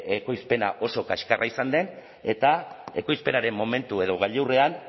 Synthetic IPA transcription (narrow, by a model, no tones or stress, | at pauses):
eko̞jspe̞na̰ʔo̞so̞kaʃkarʔaisand̪e̞n | e̞t̪ae̞̰ko̞jspe̞naɾe̞mmo̞me̞nt̪ue̞ð̞o̞ɣ̞aʎewre̞an